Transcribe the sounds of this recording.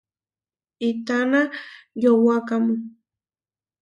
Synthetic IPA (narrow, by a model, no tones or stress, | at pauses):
it̪anajowakamʊŋ